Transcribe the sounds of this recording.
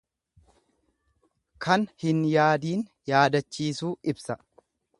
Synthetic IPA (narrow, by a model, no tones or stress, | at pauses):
kʰɐnhɪnjaːd̪iːn | jaːd̪ɐt͡ʃːiːsuːɪbsɐ